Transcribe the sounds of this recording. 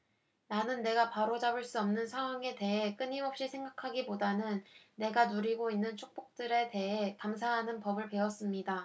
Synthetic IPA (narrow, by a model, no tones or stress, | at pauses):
nanɯnːe̞ɡapaɾot͡ɕabɯɭs͈uʌmnɯnsʰaŋɦwaŋe̞te̞ɦe̞k͈ɯɲiɦʌp̚ɕ͈isʰeŋɡakʰaɡipodanɯnːe̞ɡanuɾiɡoinːɯnt͡ɕʰok̚p͈ok̚t͈ɯɾe̞te̞ɦe̞kamsʰaɦanɯnpʌbɯɭpe̞ʌs͈ɯmɲida